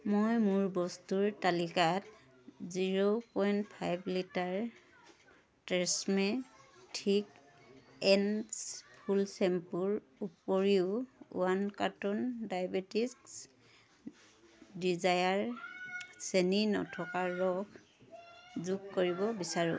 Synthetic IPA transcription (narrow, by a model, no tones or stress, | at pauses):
mojmuɹbɔstuɹtalikat | ziɹopɔjntpʰajblitaɹ | tɛsmɛtʰik | ɛnspʰulsempuɹ | upoɹiʊṵankatɔndajabetisks | dizajaɹ | seninɔ̰tʰɔkaɹːɔɡ | zuɡkoɹibɔbisaɹṵ̃